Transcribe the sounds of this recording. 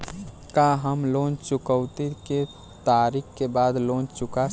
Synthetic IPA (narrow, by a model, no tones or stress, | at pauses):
kaɦəmlont͡ʃʊkəʊt̪ike | t̪aːɾikːkebaːd̪loːnt͡ʃʊka